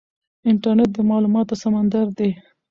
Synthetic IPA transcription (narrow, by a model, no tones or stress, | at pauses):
ɪɳʈaɾneʈ̚d̪əmɑlumɑt̪osamand̪aɾd̪e